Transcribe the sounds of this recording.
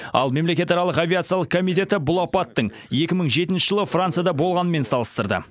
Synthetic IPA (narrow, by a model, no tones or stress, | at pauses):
ɑ̰lˠme̞mle̞kʲe̞t̪ɑɾɑlˠəqavʲiat̪sɨjalˠəqkʰomijt̪̬ʲe̞t̪ɪbʊlˠɑpɑt̪ːəɴ | je̞kʲɪməɴʒe̞t̪ɪnʃɪʒəlˠəfrant̪sɨjad̪ɑbo̞lˠʁɑnəme̞nsɑlˠəst̪əɾd̪ə̰